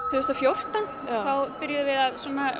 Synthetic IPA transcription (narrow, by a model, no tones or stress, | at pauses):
θʏðʏst̪afjowr̥t̪an | θawpɪɾjaðʏvɪðaðsɔna